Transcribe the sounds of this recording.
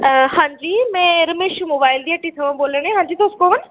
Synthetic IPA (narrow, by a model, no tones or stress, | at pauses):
hãːɲd͡ʑiːmɛ̃ːɾɐmeːʃumoːbaːɪld̪iəʈit̪ʰɐʋãboːləɽ̃ẽɦãːɲd͡ʑiːt̪oːskoʋən